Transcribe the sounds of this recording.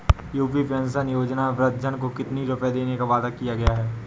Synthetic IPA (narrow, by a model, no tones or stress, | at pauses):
juːpipə̃ns̬ənjoːd͡ʒnaʋɾɐt̪̚d͡ʒənkokɪt̪niɾʊpjd̪eːnekaʋaːd̪akijaɡɐjaɦɛː